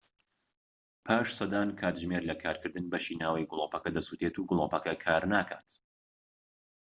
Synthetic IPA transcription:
pʰaːʃsɐd̪aːnkʰaːt̪ʒmeːɾlɐkʰaːɾkɨɾd̪ɨnbɐʃiːnaːwɐjɡʊlˠopɐkɐd̪ɐsut̪et̪uːɡʊlˠopɐkɐkʰaːɾnaːkʰaːt̪

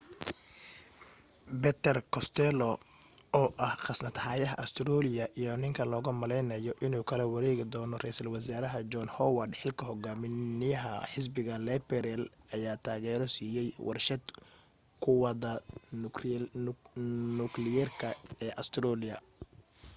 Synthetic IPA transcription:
bɛt̪ʰɛrkʰɔst̪ʰɛlɔ | ɔːʔɐhχɑsnɐd̪haːjɐɦɐ̰ʔɐst̪ʰɾɔːlɪɐʔijɔnɪŋkʰɐlɔːɣɐmɐlɛjnɐjɔʔɪnuːkʰɐlɛwɐɾɛːɣɪd̪ɔːnɔrɛjsɐlwɐsaːɾɐɦɐd͡ʒɔnhɔwɐrd̪ħɪlkʰɐɦɔɡaːmɪnɪjɐɦɐħɪs̬bɪɣɐlɛbɛɾɛl | ʔɐjaːt̪ʰaːɣɛːɾɔsiːjɛjwʔɑ̰rʃɐd̪ | kʰʊwɐðɐ | nʊklɪjɛrkʰɐɛːʔɐst̪ʰɾɔlɪɐ̰

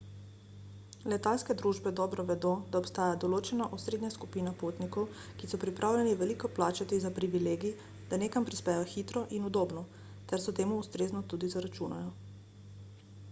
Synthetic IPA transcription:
lɛt̪alskɛd̪ɾuːʒbɛd̪ɔːbɾɔʋɛd̪od̪aɔpst̪aːjad̪ɔloːt͡ʃɛnaʔusɾeːd̪nɲaskupiːnapot̪nikɔw | kisɔpɾipɾʔaːwljɛniʋɛlikɔplaːt͡ʃat̪izapɾiʋileːɡi | d̪̥aneːkampɾispɛːjɔxit̪ɾɔʔinud̪oːbnɔ | t̪ɛɾsɔt̪eːmuːst̪ɾeːznɔt̪uːd̪izaɾat͡ʃuna̰jɔ

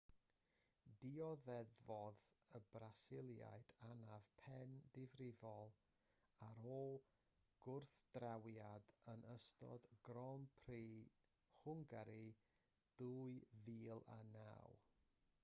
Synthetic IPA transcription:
diɔðɛðvɔðəbrasɪlˠja̰jd̥anav̥pʰɛndɪvrɪvɔlˠ | aɾoːlˠ | ɡ̥ʊrθd̥rawjadənʔəstɔ̰dɡrɔmpʰriː | χʊŋɡaɾi | d̥uɨviːlˠa̰na̰w

